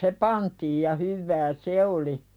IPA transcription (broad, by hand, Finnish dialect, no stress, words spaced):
se pɑntiːj jɑ hyʋːæː se oli